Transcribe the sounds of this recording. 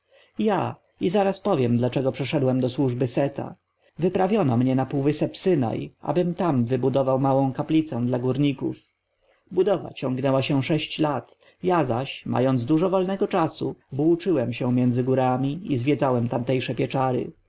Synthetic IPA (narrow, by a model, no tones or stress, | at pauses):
ja | izaɾaspɔvʲjɛmd̪lat͡ʂɛɡɔpʂɛʂɛd̪wɛmd̪ɔswuʐbɘsɛt̪a̰ | vɘpɾavʲjɔnɔmɲɛnapuwvɘsɛpsɘna̰jʔa̰bɘmt̪amvɘbud̪ɔvawmawɔ̃w̃kaplʲit̪sɛ̃d̪laɡuɾɲikṵf | bud̪ɔva̰t͡ɕɔŋɡnɛwaɕɛʂɛɕt͡ɕlat̪ | jazaɕma̰jɔnd̪zd̪uʐɔvɔlnɛɡɔt͡ʂasṵvwut͡ʂɘwɛmɕɛmʲjɛnd̪zɘɡuɾamʲiizvʲjɛd̪zawɛmt̪amt̪ɛjʂɛpʲjɛt͡ʂaɾɘ̰